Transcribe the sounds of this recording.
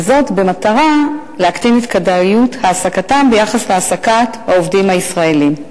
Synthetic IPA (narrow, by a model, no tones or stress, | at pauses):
zo̞tbe̞mataʁa | leaktinet̪kadaijuthaːsakatambe̞jaχasleasakathaovdimhaisʁae̞lim